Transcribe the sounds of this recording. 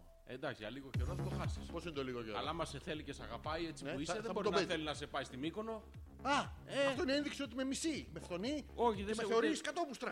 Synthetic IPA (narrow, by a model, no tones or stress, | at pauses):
ḛnd̪ɐksiɐliɣoceɾonɐðet̪oxɐsi̥spo̞sinet̪oliɣoceɾɐ̰lɐmɐseθelicesɐɣapɐjet͡sipuiseðeboɾonθeliznɐse̞pɐist̪imiko̞no̞ | ɐeft̪o̞ineenðiksio̞t̪̬ime̞misimeft̪o̞nio̞çiðemeθeo̞ɾiskɐt̪o̞pust̪ɾɐ